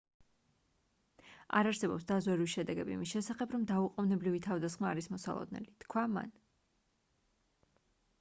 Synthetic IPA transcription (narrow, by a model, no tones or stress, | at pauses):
a̰ɾaɾsɛbɔpsd̪azwɛɾiiʃɛd̪ɛɡɛbiḭmisʃɛsaχɛbʰɾɔmd̪auqʼɔvnɛbɾivit̪ʰavd̪asχmaːɾismɔsa̰lˠɔ̰d̪nɛ̰lit̪kʰwama̰n